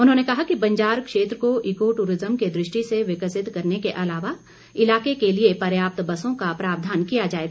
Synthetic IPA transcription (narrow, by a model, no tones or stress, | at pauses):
ʊnɦõːnekɐɦakibɐ̃ɲd͡ʒaːɾkʃeːt̪ɾəkoʔɪkoʈuːɾɪzəmked̪ɾɪʃʈiseʋɪkəsɪt̪kɐɾnekeʔɐlaːʋa | ɪlaːkekeliepɐɾjaːp̚t̪bɐsõkapɾaːʋd̪ʱaːnkijad͡ʒaːeːɡ